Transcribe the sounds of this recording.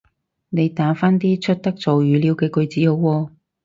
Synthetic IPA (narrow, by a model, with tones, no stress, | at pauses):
ne˨˧jt̪aː˨˥faː˥nt̪iː˥t͡ʃʰɵ˥t̚t̪ɐ˥k̚t͡so˨wjyː˨˧li˨˧wkɛː˧kɵ˧ɥt͡siː˨˥ho˨˧wwɔː˧